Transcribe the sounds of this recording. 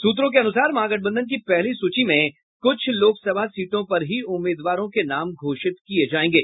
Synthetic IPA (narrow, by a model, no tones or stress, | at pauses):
suːt̪ɾõk̬eɐnʊsaːɾmãːɡəʈ̚bə̃nd̪ənk̬ipɛɦlisuːt͡ʃimẽ | kʊt͡ʃʰloːksɐbʱasiːʈõpɐɾɦiʊmːeːd̪ʋaːɾõkenaːmɡʱoːʃɪt̪kied͡ʒaːẽːɡeː